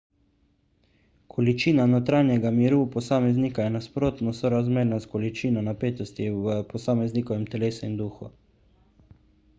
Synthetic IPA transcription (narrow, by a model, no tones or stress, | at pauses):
kʰɔlit͡ʃiːnanot̪ɾanjɛɡamiɾuːpɔsaːmɛznikajɛnaspɾoːt̪nɔsɔɾazmeːɾnaskɔlit͡ʃiːnɔnapeːt̪ɔst̪iʋəpɔsaːmɛznikɔʋɛmt̪ɛleːsuind̪uːxu